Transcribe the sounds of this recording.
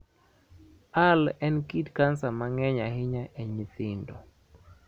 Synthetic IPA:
alɛnkitkansamaŋɛɲahɪɲaʔɛɲiθɪndɔ̰

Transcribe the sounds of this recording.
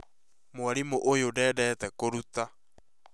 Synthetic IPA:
moaɾimoʔojodɛːdɛːtɛkoɾuta

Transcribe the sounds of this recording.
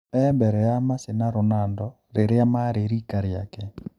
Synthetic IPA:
ɛmbɛɾɛjamasenaɾonandɔ | ɾeɾeamaɾeɾiːkaɾjakɛ

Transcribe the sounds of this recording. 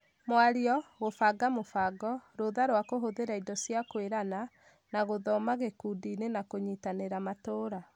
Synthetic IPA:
mwaɾiɔɣofaɡamofaɡɔɾoðaɾwakoɦoðeɾaidɔsjakweɾana | naɣoðɔmaɣekuːdiːnenakoɲitaneɾamatoːɾa

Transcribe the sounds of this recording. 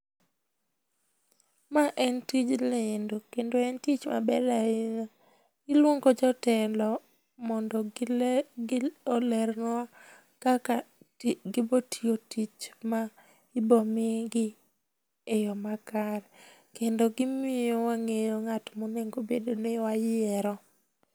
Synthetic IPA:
maʔɛntid͡ʒlendokendoɛntit͡ʃma̰bɛɾa | ɪlwoŋɡod͡ʒɔtɛlɔ | mɔndɔ | olɛɾna | kaka | ɡɪbotʰiotit͡ʃma | ibɔmɪɡɪ | ejɔmakaɾkendoɡɪmɪjowaŋejoŋatmoneŋɡobedonewajɛɾɔ

